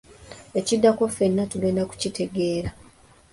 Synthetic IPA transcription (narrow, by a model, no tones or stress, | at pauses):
e̞cidːakofenːatuleːndaku̥citʰe̞ɡe̞ːɾa